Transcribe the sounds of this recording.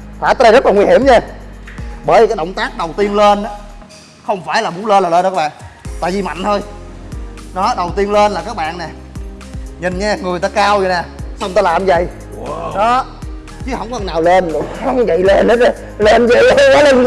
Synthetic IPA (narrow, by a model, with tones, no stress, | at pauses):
faː˧˨˦t̪əː˧zə˦˥t̚laː˨˩ŋwi˧hi˧˩əmɲaː˧ | ɓəː˧˩jkaː˨˦jɗə̰˧˨ŋ͡mt̪aː˦˥k̚ɗə˨˩wt̪i˧ənle˧nʔaː˨˦ | xə˧wŋ͡mfaː˧˩jlaː˨˩mu˨˦nleː˧nlaː˨˩leː˧n̚ː˧˦˥ɓa̰ː˧˨nt̪a̰ː˧˨jvi˨˩ma̰˧˨jŋ̟t̪ʰo˧j | nɔ˨˦ɗə˨˩wt̪i˧ənle˧nlaː˨˩kaː˦˥k̚ɓa̰ː˧˨nːɛ˨˩ | ɲi˨˩nɲaː˧ŋɨ˨˩əjt̪aː˧kaː˧wzi˨˩na˨˩sa˧wŋ͡mt̪aː˧laː˨˩mzə̰˧˨j | ɗɔ˨˦ | t͡ɕɨ˨˦hə̰˧˩wŋ͡mkɔ˧˨˩naː˨˩wle˧n˨aː˧˦˨və̰˧˨jle˧n˧˦ | le˧nzə̰˧˨ja˨˦le˧n˧